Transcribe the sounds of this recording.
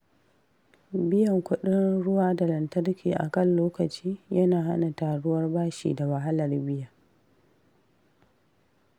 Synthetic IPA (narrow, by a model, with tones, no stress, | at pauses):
bɪ˦jɐ˨ŋkʷʊ˦ɗɪ˦nɽʊ˦waː˦da˨lɐ˨ntɐ˦rkʲʰiː˨ʔa̰˨kɐ˦˨nloː˦kɐ˨t͡ʃiː˦jɐ˦naː˨ha˦na˨taː˨ɽʊ˦wɐ˦rbaː˦ʃḭː˨da˨wɐ˨ɦa˦lɐ˨rbɪ˦jaː˨